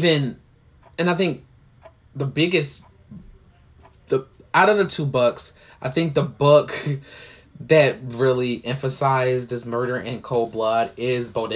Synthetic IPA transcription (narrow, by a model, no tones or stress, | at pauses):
vɨ̃n | ɨ̃ñaɪθɪ̃ŋk̚ | ðəbɪɡɨs | ðəaʊɾʌvðɨtʰubʊks | ʔaɪθɪ̃ŋk̚ðəbʊk | ðɨt̚ɹɪlˠiʔɛ̃ɱfɨsaɪzðɪsmɜ˞ɾə˞ʔɨ̃nkʰoʊlˠblʌɾɪzboʊɾ